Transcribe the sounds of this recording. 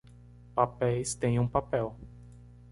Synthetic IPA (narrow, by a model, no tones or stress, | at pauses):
papejst̪ẽnunpapew